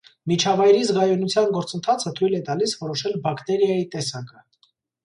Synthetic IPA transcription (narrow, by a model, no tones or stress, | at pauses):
mit͡ʃʰɑvɑjɾizʁɑjunut͡sʰjɑnɡɔɾt͡sənt̪ʰɑt͡sʰət̪ʰujlɛt̪ɑlisvɔɾɔʃɛlbɑkt̪ɛɾjɑjit̪ɛsɑkə